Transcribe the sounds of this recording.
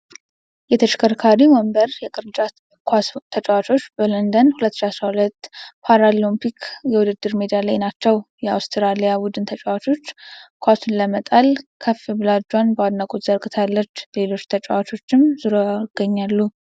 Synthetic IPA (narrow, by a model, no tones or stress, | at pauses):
jɛt̪ʰət͡ʃkʰəɾkʰaɾiməmbəɾjɛkʼɨɾt͡ʃʼa | kʰwast̪ʰət͡ʃʼɛwat͡ʃo̞t͡ʃːbələnd̪ənhulət̪ːɨʃiasɾahulət̪ːpʰaɾalompʰikʰjɛwʊd̪ɨd̪ːɨɾmed̪ijalajnat͡ʃːɛwjɛa̰wst̪ʰiɾalijabud̪ɨnt̪ʰət͡ʃʼɛwat͡ʃo̞t͡ʃːkʰʷasunləmət̪ʼalkʰəfːibɨlad͡ʒwanbəwad̪nakʼot̪z̥əɾkʼɨt̪ʰalːət͡ʃːle̞lot͡ʃːt̪ʰət͡ʃʼɛwat͡ʃʰo̞t͡ʃːɪmzɨɾoaɡ̥ːəɲːalːu